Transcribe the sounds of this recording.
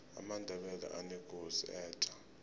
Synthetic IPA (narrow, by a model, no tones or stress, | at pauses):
a̰mandʱɛɓɛla̰ʔanɛɡ̥ʱoziɛːtʰʼḁ